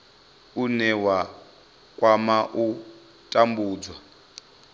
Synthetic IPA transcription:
unɛwa | kʼwamaʔu | tʼambuːd͡zwa

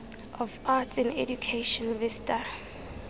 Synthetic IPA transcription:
ʔɔvatɛ̃nɛ̰djukʰeʃɔ̃nvɪsta

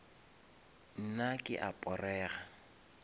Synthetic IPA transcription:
n̩nakʼɪ̰ʔapʼɔrɛːɣa

